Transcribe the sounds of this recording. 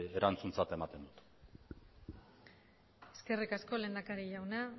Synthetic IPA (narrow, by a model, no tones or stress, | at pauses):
eɾant͡sunt͡sat̪e̞mat̪e̞nd̪ut̪ | e̞̥ske̞rikasko̞le̞nd̪akaɾiʝawna